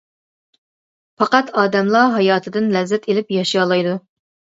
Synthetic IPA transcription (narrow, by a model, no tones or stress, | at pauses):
fɑqɑt̪ɑːd̪ɛmlˠɑɦɑjɑːt̪ʰɨd̪ɨnlɛzːɛt̪ʰelɪpjɑʃjɑːlˠɑjd̪u